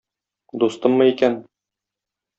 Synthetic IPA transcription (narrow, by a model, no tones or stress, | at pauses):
d̪ust̪ɤmːɤikæn